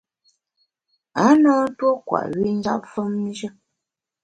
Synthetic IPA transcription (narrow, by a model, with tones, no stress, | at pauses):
a˨˦nɔ˦n̩˦two˦kwa̰˨ʔɥi˦n˦za̰˦pfə˦mː˦d͡ʒə˦